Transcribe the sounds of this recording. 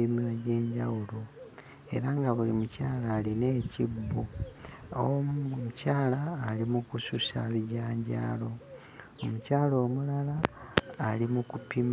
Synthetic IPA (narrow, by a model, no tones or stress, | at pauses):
imiɾoɟe̞ːɲɟawulo | e̞̰ɾaːŋɡaβulimucaːlaːline̞ːcibːu | oucaːlaːlimukususa̰βiɟaːɲɟa̰ːlo̞ | omucaːlo̞ːmulalaː | limukupim